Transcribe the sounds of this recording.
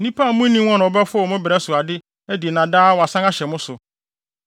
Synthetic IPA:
nĩ˦pʰa˦˨˦mũ˦nĩ˦wɔ̃˦ñ˨ɔ˨bɛ˦fʊ˦ɔ˨mʊ̃˦bɪ˨ɾɛ˦sʊ˨a˨dɪ˦ | æ˦di˨e˨nã˨daː˦wɔ˨a˨sã˦ŋa˦ɕɛ˨mʊ̃˦sʊ˨

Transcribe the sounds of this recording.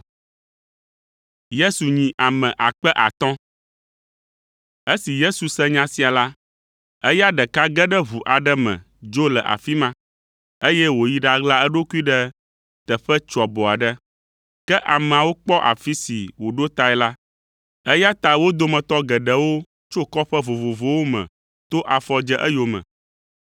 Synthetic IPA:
je˦su˨ɲĩ˨ʔa˨mɛ̃˨ʔa˨k͡pɛ˦ʔa˨t̪ɔ̃˦ | e˦si˨je˦su˨sɛ̃˦ɲã˦si˨a˨la˦ | ə˦ja˦ɖə˨ka˦ɡɛ˦ɖə˦vu˨ʔa˨ɖə˦mɛ̰̃˨ | d͡ʒo˦lɛ˨ʔa̰˨fi˦mã˦ | e˦jɛ˦wo˨ji˦ɖa˨ɡla˦ɛ˦ɖo˦ku˦i˦ɖɛ˦ | t̪ə˨ɸə˦t͡ʃɔ˨bɔ˨a˨ɖə˦ | kɛ˦ʔa˨m̃˨a˨wo˦k͡pɔ˦ʔa̰˨fi˦sḭ˨wo˨ɖo˦t̪a˨˦ɛ˦la˦ | ə˦ja˦t̪a˨wo˦d̪o˦mə̃˨t̪ɔ˦ɡə˨ɖə˦wo˦ | t͡ʃo˦kɔ˦ɸə˦vo˨vo˨vo˨wo˦mɛ̰̃˨ | t̪o˦ʔa˨fɔ˦d͡ʒɛ˦ʔə˦jo˨mə̰̃˨

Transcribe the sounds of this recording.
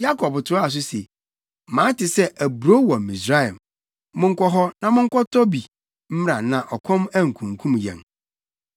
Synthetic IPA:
ja˦kʰɔ˨btʰʊ˨˦ɔ˦a˨s̬ʊ˦se˨ | mãː˨˦tɪ˨sɛ˦ʔæ˨bu˨ɾo˦wɔ̃˨mĩ˨sɾa˦ɛ˨m | mʊ̃˦ŋ̩˦kɔ˦ɦɔ˦nã˨mʊ̃˦ŋ̩˦kɔ˦tʰɔ˦bi˨ | m̩˦m˦ɾã˨nã˨ʔɔ˨kʷʰɔ̃˦mæ˦ŋ̩˨kʰũ˨ŋ˨kʰũ˦mjɛ̰̃˨n

